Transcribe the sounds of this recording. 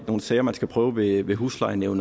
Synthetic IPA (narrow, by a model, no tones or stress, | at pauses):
no̝ːn̩sɛːɐmænsɡ̥æpʰʁœːʊʋe̝ʋe̝ɦuslɑ̈ɪneʊn